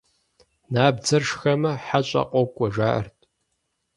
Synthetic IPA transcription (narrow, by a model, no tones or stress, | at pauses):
naːbd͡zɐrʂxɐmɐħaɕʼɐ̰qʷʼɔkʷʼːɔʒaːʔɐ̰rtʼ